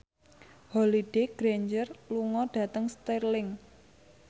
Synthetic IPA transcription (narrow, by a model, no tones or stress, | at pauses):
holiɖ̥eɡ̥ɾeɲd͡ʒərluŋɔɖ̥ä̤t̪əŋst̪irlɪŋ